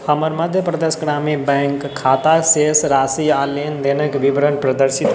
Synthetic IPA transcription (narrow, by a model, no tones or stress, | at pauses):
həməɾməd̪ʱjəpɾəd̪eːsɡɾaːmibɛ̃ːŋkʰːaːt̪aseːsɾaːsiaːleːnd̪eːnəkʋibɾənpɾəd̪əɾʃɪt̪